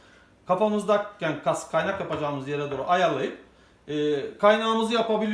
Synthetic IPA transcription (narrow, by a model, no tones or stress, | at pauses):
kʰapamɯzd̪acːænkʰaskʰajnakjapad͡ʒaːɯmɯzjeɾɛd̪oːɾṵʔajaɾlˠajɯp̚ | ɛːkʰajnaːɯmɯzɯjapabilʲi